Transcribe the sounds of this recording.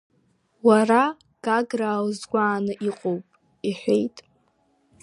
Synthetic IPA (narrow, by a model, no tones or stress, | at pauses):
wara | ɡ̥aɡraːwzɡʷaːnɨʔiqʼowpʼ | iħʷe̞jtʼ